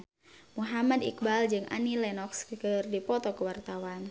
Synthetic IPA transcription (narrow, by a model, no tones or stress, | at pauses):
muɦamadḭk̚bald͡ʒɨŋʔa̰nilɛnɔkskəkərdipɔt̪ɔkəwart̪awan